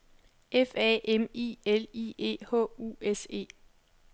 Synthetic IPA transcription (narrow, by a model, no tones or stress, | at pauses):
ʔefɛ̰emḭːelḭːe̝̰ːhɔ̰̽ːṵese̝̰ː